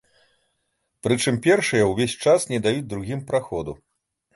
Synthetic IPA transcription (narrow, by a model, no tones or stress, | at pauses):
pɾɨt͡ʂɨmpʲɛrʂɨjɐwvʲesʲt͡ʂasnʲɛd̪ajud͡zʲd̪ɾuɣʲimpɾaxɔd̪u